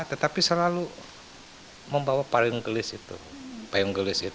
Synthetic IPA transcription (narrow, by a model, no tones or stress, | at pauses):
t̪ət̪apisəlalu | məmbawapaʊŋɡəlɪsit̪ṵpajuŋɡəlɪsit̪